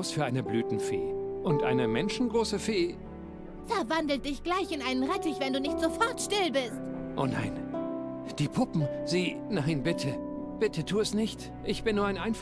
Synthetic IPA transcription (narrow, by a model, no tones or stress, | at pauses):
ʊsfyːɐʔaɪnəblyːtn̩fḛːʔʊntʔa̰ɪnəmɛnʃn̩ɡʁoːsəfeː | fɛɐvandl̩t̚d̥ɪçɡ̥laɪçɪnaɪnənʁɛtɪçv̥ɛnduːnɪçtz̥ofɔɐtʃtɪlbɪstʔo̰ːna̰ɪn | d̥iːpʰʊpm̩ziː | naɪnbɪtʰə | b̥ɪtʰətʰuːɛsnɪçt | ʔɪçb̥ɪnːuːɐaɪnʔaɪn